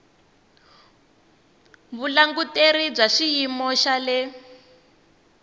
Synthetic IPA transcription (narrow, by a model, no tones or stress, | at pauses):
βulaŋɡuteɾib͡ʐaʃijimɔʃalɛ